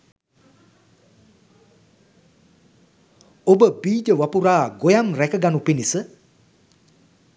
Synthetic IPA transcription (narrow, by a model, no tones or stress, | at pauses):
obəbiːd͡ʒəʋapuɾaːɡojamrɛkəɡanupinisə